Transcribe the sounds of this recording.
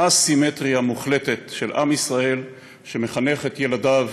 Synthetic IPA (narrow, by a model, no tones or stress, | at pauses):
asimet̪ʁiamuχle̞te̞t̪ʃe̞lʔa̰misʁae̞l | ʃe̞me̞χane̞χet̪je̞ladav